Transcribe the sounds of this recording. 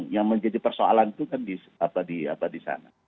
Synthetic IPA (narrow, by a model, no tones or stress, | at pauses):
ŋjaŋməɲd͡ʒadipərsoa̰lanit̪ukandisapadia̰padisa̰na̰